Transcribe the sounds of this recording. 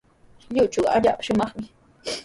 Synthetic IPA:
ʎʊt͡ʃʊwa̰ʎa̰ːpḁʃʊmɑχmɪ

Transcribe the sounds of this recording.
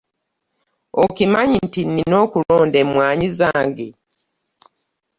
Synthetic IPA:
okimaɲintinːino̞ːkulo̞ːndemwaːɲizaːŋɡe

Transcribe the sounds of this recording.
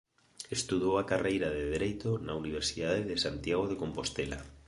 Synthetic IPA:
est̪uðowakarejɾaðeðeɾejt̪onauniβ̞eɾsiðaðeðesant̪jaɣ̞oð̞ekompost̪ela̰

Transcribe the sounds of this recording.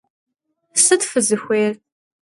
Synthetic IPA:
sɨtfɨzɨxʷeːr

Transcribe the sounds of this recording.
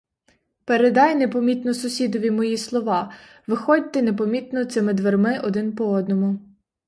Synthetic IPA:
peɾed̪ɑjnepɔmʲit̪nɔsʊsʲid̪ɔʋʲimɔjislˠɔʋɑ | ʋɪxɔdʲt̪ɛne̞pɔmʲit̪nɔt̪sɪmɪd̪ʋermɪʔɔd̪ɪnpɔɔd̪nɔmʊ

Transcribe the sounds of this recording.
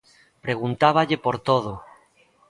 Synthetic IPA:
pɾeɣ̞unt̪aβ̞aʎepoɾt̪oð̞o

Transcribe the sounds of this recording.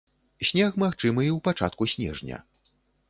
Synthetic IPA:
sʲnʲaxmaxt͡ʂɨmɨiwpat͡ʂa̰t̪̚kusʲnʲɛ̰ʐnʲɐ̰

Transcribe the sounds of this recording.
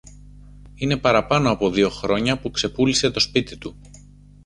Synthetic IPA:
ine̞pɐɾɐpɐno̞ɐpo̞ðio̞xɾo̞ɲɐpukse̞pulise̞t̪o̞spit̪it̪u

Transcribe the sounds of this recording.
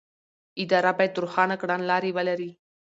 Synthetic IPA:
id̪aɾabajt̪uɾxanəkɽanlaɾiʋaləɾi

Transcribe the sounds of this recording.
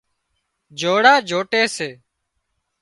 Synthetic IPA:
d͡ʒʱoːɽaːd͡ʒʱoːʈeːseː

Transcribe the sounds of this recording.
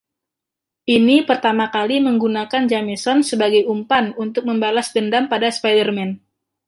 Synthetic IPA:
ʔinipərt̪amakaliməŋɡunakand͡ʒamesɔnsəbaɡajumpanunt̪ʊk̚məmbalasdəndampadaspajdərmɛn

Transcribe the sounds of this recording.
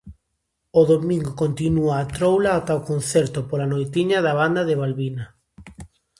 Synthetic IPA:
oðomĩŋɡokont̪inuaːt̪ɾowlaːt̪aokon̟θɛɾt̪opolanojt̪iɲaðaβand̪aðeβalβina

